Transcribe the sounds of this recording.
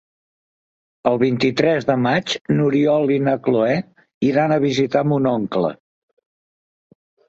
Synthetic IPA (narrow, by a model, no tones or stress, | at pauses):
əlˠβ̞int̪it̪ɾɛzðəmad͡ʒnuɾiɔlinəkloɛ | iɾanəβ̞izit̪amunɔŋklə̰